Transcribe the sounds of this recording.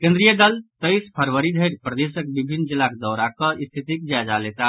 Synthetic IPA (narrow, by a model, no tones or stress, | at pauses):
kẽnd̪ɾijəd̪əlt̪əɪspʰəɾʋəɾid̪ʱəjɾpɾəd̪esək̚bibʱinːd͡ʒilːakd̪ɔɾakəist̪ʰit̪ik̚d͡ʒad͡ʒalet̪a